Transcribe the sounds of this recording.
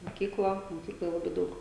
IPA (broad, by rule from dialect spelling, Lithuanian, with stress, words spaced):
moːˈkʲiːklˠɐ moːˈkʲiːklˠoːj ˈlˠɑːbɐɪ ˈdɐʊk